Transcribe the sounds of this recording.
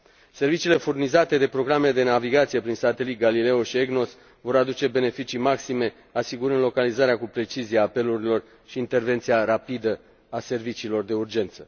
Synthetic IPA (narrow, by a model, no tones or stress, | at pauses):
se̞rvit͡ʃiːle̞furnizat̪e̞d̪e̞pɾo̞ɡɾamed̪e̞naviɡat̪sije̞pɾinsat̪e̞lit̪̚ɡalile̞oʃieɡno̞s | vo̞ɾad̪ut͡ʃe̞be̞ne̞fit͡ʃimaksime̞ | asiɡuɾɨnd̪lo̞kalizaɾeakupɾe̞t͡ʃiziaːpe̞luɾilo̞r | ʃiːnt̪e̞rve̞nt̪sijaɾapid̪ə | ase̞rvit͡ʃiːlo̞rd̪e̞urd͡ʒe̞nt̪sə